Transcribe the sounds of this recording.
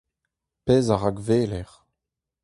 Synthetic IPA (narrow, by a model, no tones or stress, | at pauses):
pɛːzaʁaɡveːlɛʁ